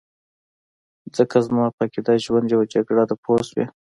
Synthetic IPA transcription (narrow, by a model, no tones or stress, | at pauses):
zəkazmɑpakid̪ɑʒwand̪jawad͡ʒaɡɽad̪əpʰozwḛ